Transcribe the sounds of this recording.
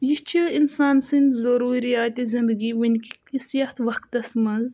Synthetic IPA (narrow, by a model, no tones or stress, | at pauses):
jit͡ʃʰiinsaːnsɨnʲzɐɾuːɾijaːt̪izind̪əɡiʋɐnʲki | isɐxt̪ʰʋɐxt̪ɐsmɐz